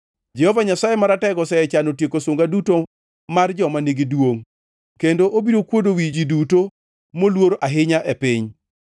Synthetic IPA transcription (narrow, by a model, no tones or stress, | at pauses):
d͡ʒɛhɔvaɲasajemaɾatɛɡɔsɛɛt͡ʃanotjekosʊŋɡaduto | mard͡ʒɔmaneɡidwoŋ | kendoʔobiɾokwodowid͡ʒiduto | molwoɾʔaɦɪɲaʔɛpɪɲ